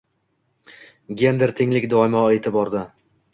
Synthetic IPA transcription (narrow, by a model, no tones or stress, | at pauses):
ɡʲe̞nd̪eɾt̪ʰɪŋlɪkʲd̪ɒɪmɒe̞t̪ʰɪbɒɾd̪ɪ